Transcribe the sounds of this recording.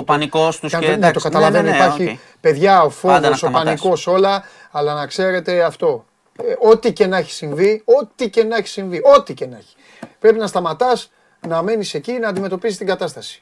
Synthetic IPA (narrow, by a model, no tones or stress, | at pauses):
opɐnikost̪unɐt̪okɐt̪ɐlɐve̞noippɐɾçi | pe̞ðʝɐo̞fo̞voso̞pɐniko̞so̞lɐ | ɐlɐnɐkse̞ɾe̞t̪e̞ɐft̪o̞ | o̞t̪ice̞nɐeçi̥siɱvio̞t̪ice̞nɐeçi̥siɱvio̞t̪ice̞nɐçi̥ | pɾe̞pinɐst̪ɐmɐt̪ɐs | nɐme̞nise̞cinɐːnd̪ime̞t̪opisist̪iŋɡɐt̪ɐst̪ɐsi̥